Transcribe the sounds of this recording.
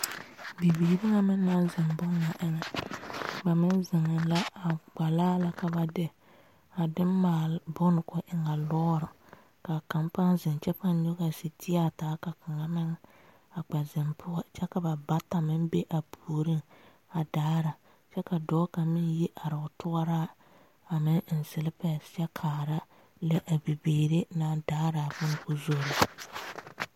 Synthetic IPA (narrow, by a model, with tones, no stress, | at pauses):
bi˨biː˨bɪ˦ŋa˨mɪ˦n˦na˦n˦zɪ˨mbʊ˦ŋːa˨ʔɪ˦ŋɛ˨ | ba˨mɪ˦n˦zɪ˨ŋɪ˨nla˦a˨ɡ͡ba˨laː˦la˦ka˨ba˨dɪ˦ | a˨dɪ˦mmaː˨lbʊ˦nʊ˨kʊ˨˦ʔɪ˨ŋa˨lɔː˦ɾʊ˨ | ka˨ka˨mpa˦nzɪ˨nt͡ʃɛ˦pa˦n˦ɲʊ˦ɣa˨sɪ˨tʰɪ˦a˦taː˨˦ka˨ka˨ŋa˦mɪ˦ŋ | a˨k͡pɛ˨zɪ˨mpʰʊ˦a˨t͡ʃɛ˦ka˨ba˨ba˦ta˨mɪ˦mbe˦ʔa˨pʰu˨ɾɪ˦ŋ | a˨daː˦ɾa˨ | t͡ʃɛ˦ka˨dɔː˨˦ka˨mɪ˦nji˦ʔa˨ɾɪ˨ʊ˨tʰʊ˦a˦ɾaː˦ | a˨mɪ˦ŋ˦n̩˨sɪ˨lɪ˦pɛ˨sɛ˦kʰaː˨ɾa˦ | lɛ˦ʔa˨bi˨biː˨ɾe˦na˨daː˦ɾa˨bʊ˦n˨kʊ˦zo˦˨la˨